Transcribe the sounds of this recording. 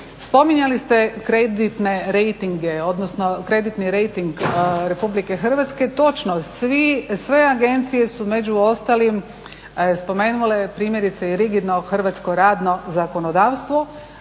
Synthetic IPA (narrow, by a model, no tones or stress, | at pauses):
spo̞miɲalist̪e̞kɾe̞d̪it̪ne̞ɾejt̪iŋɡeo̞d̪nosno̞kɾe̞d̪it̪niɾe̞jt̪iŋɡɾe̞publike̞xr̩ʋat̪ske̞t̪o̞t͡ʃnosʋisʋe̞aɡe̞nt̪sije̞sume̞d͡ʑuo̞st̪alim | spo̞me̞ːnule̞pɾiːmje̞ɾit̪seiɾiɡid̪no̞xr̩ʋat̪sko̞ɾaːd̪no̞zako̞nod̪aːʋst̪ʋo